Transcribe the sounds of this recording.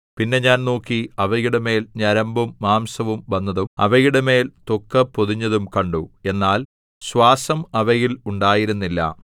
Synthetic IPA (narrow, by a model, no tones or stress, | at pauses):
pinːe̞ɲaːnnoːkːiɐʋɐjiɽeme̞ːlɲɐɾɐmbumːaːmsɐʋumʋɐnːɐðumɐ̰ʋɐjiɽeme̞ːlt̪okːɐpːoðuɲːɐðumkɐɳɖue̞nːaːl | ɕʋaːsɐmɐʋɐjiluɳɖaːjiɾunːilːɐ̰